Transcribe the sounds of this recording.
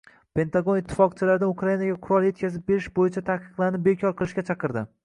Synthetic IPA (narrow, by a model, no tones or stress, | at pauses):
pe̞nt̪aɡo̞nɪt̪ʰːɪ̥fɒqt͡ʃʰɪlaɾɪd̪anukʰɾajinaɡʲaqʰʊɾɒlˠje̞t̪̚kʲʰazɪp̚be̞ɾɪʃbojɪt͡ʃʰat̪ʰahqɨ̥qlˠaɾnɪp̚be̞kʲʰɒɾqʰɨlˠɪʃkʲat͡ʃʰɑqʰɨɾd̪ɪ